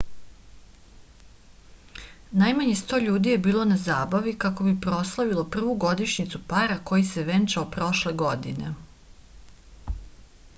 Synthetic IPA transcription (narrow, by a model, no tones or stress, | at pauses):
najmaɲest̪o̞ːʎuːd̪ije̞biːlˠo̞nazaːbaʋikako̞bipɾo̞slˠaʋilo̞pr̩ʋuɡo̞d̪iʃɲit̪supaɾako̞jiseʋe̞nt͡ʃaopɾo̞ʃle̞ɡo̞d̪ine̞